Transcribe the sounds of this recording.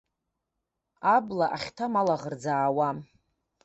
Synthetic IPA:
ablaʔaχʲtʰamalaʁərd͡zaːwa

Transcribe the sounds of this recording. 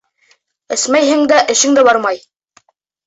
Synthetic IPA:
ɘ̆smæjɦɘ̆ŋd̪æʔɘ̆ʃɘ̆ŋd̪æbɑɾmɑj

